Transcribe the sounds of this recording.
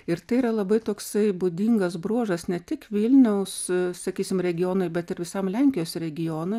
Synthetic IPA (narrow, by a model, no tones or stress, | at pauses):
ɪɾt̪ɐɪiːɾɐlˠɐbɐɪt̪oːksɐɪbʊd̪ʲiŋɡɐsbɾuɔʒɐsnʲɛt̪ʲɪkʋʲɪlʲnʲɛʊssɐkʲiːsʲɪmɾʲɛɡʲɪjoːnoɪbʲɛt̪ɪɾʋʲɪsɐmlʲɛŋʲkʲɪjoːsɾʲɛɡʲɪjoːnoɪ